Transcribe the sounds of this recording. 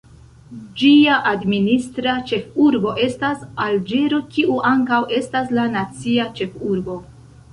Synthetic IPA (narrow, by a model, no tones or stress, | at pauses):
d͡ʒiaʔadministɾat͡ʃe̞fuɾbo̞ʔe̞stasald͡ʒeɾo̞kiʔuʔaŋkawe̞staslanat͡siat͡ʃe̞fuɾbo̞